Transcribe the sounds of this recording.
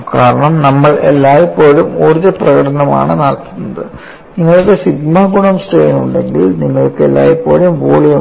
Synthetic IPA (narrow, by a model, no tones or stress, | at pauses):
kaːɾɐɳɐmnɐmːɐɭḛlːaːjɐpːo̞ːɻumoɾuðɐprɐɣɐɽɐnɐma̰ːɳɨnaːlt̪unːɐðɨ | niŋːɐɭokːesiɡmaːɡuɳɐmsʈeːjnuɳɖe̞ŋɡilniŋːɐɭokːeelːa̰ːjipːo̞ːɻumʋoːɭijɐ